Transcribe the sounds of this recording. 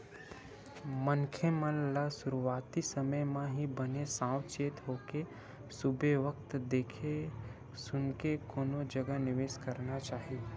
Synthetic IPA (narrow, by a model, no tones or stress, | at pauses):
mənkʰemənlasʊɾuʋaːt̪isəməjmãɦibənesãːwt͡ʃeːt̪ɦoːke | sʊbʱeʋək̚t̪d̪eːkʰe | sʊnkekoːnõd͡ʒəɡənɪʋeːʃkəɾnat͡ʃaːɦie